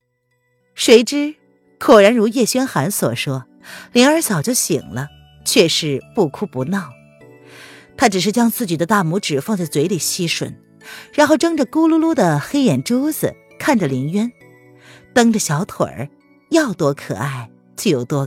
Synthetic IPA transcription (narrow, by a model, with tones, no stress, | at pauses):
ʂwe˧˥ɪʈ͡ʂɻ̩˥ | kʰwɔ˨˩ɻa˧˥nɻu˧˥jɛ˥˩ɕɥɛ˥nxa˧˥nswɔ̰˨˩ʂwɔ˥ | ljɛ˧˥nə˞˧˥sjɑ˨˩ʊt͡ɕjo˥˩ʊɕḭ˨˩ŋlə˦ | t͡ɕʰɥɛ˥˧ʂɻ̩˥˧pu˥˩kʰu˥˩pu˧˥nɑ˥˩ʊ | t̪ʰa˥ʈ͡ʂɻ̩˨˩ʂ̬ɻ̩˥˩t͡ɕjɑ˥ŋt͡sɹ̩˥˩t͡ɕi˨˩d̪ə˦t̪a˥˩mu˧˥ʈ͡ʂɻ̩˨˩fɑ˥˧ŋt͡sa˥˩ɪt͡swe˧˥ɪli˨˩ɕi˥ʂwə̰˨˩˦n | ɻa˧˥nxo˥˩ʊʈ͡ʂɤ˥ŋʈ͡ʂə˨ku˥lu˥lu˥d̪ə˨xe˥ɪjɛ˨˩nʈ͡ʂu˥ʊd͡zɹ̩˨˩ | kʰa˥˩nʈ͡ʂə˩li˧˥ŋɥɛ˥n | t̪ɤ˥ŋʈ͡ʂə˨ɕjɑ˧˥ʊt̪ʰwə̰˨˩˦ | jɑ˥˩ʊt̪wɔ˥kʰɤ̰˨˩a˥˩ɪ | t͡ɕo˥˩jo˨˩ʊt̪wɔ˥